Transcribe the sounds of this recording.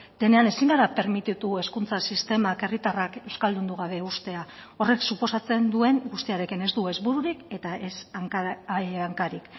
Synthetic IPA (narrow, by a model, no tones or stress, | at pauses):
d̪̥e̞ne̞ane̞siŋɡaɾape̞ɾmit̪it̪ue̞skunt͡sasist̪e̞make̞rit̪arake̞wskald̪und̪uɣ̞aβ̞e̞ust̪e̞a | o̞re̞ksupo̞sat͡se̞nd̪ue̞ŋɡust̪iaɾe̞kine̞zd̪ue̞zβuɾuɾike̞t̪aʔesaŋkaaŋkaɾik